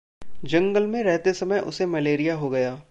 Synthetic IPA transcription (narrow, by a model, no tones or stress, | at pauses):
d͡ʒɐ̃ŋɡəlmẽɾɛɦt̪esɐməjʔʊ̰semɐleːɾijaɦoɡɐjaː